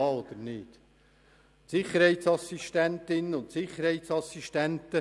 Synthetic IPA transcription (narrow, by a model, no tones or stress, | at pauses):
ɑːod̪əɾnɪːt̪ | sɪχəɾhɛɪtsɑsiʃtænt̪ɪnːəʊnt̪sɪχəɾhɛɪt̪sɑsiʃtænt̪ə